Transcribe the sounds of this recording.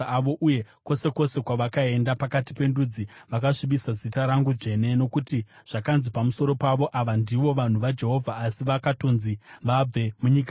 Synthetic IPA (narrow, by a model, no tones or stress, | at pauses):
ʋo̞ʔuje̞ko̞se̞ko̞se̞kwaʋakae̞ndapakati̥pe̞ndud͡ziʋakaʂiɓisazitaɾaŋɡuʐe̞ne̞no̞kuti | ʐ̥akanzipamuso̞ɾo̞paʋo̞ʔaʋandiʋo̞ʋan̤uʋad͡ʒe̞ɦo̞vʱaːsiʋakatonziʋab͡ve̞muɲik